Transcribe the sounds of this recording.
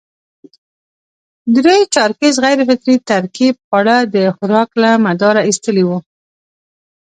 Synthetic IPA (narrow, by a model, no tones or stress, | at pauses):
d̪ɾet͡ʃɑɾkezɣajɾfɪkɾit̪aɾkib̚aɽad̪əxʊɾɑklamad̪ɑɾaist̪əliwu